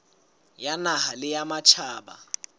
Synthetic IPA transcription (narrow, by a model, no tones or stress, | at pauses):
janaɦalɪjamat͡ʃʰaːɓa̰